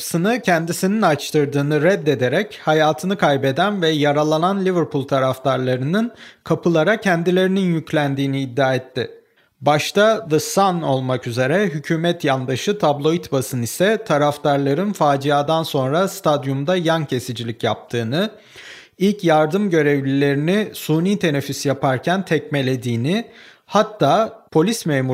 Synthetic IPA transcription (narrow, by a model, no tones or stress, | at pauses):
sɯnɯcʰɛnd̪isininat͡ʃt̪ʰɯɾd̪ɯːnɯɾɛd̪ːe̞d̪e̞ɾɛchajaːt̪ʰɯnɯkʰajbe̞d̪ænvɛjaɾalˠananlʲivɯɾpʰulʲˠt̪ʰaɾaft̪ʰaɾlˠaɾɯnɯnkʰapʰɯlˠaɾacʰɛnd̪ilʲe̞ɾininjyclʲænd̪iːniːd̪ːaːet̪ʰːɪ | baʃt̪ʰaðɯsano̞lˠmakyze̞ɾɛɦycʰyːmɛt̪jand̪aʃɯt̪ʰablˠo̞it̪basɯnisɛt̪ʰaɾaft̪aɾlˠaɾɯnfaːd͡ʒijaːd̪anso̞nɾast̪ʰad̪jumd̪ajancʰe̞sid͡ʒilʲicjap̚t̪ʰɯːnɯ | ilʲcjaɾd̪ɯmɟø̞ɾevlʲilʲe̞ɾinɪsuːniːt̪ʰe̞nefisjapʰaɾcʰænt̪ʰɛcme̞lʲe̞d̪iːnɪ | hat̪ʰːaːpʰo̞lʲismeːmu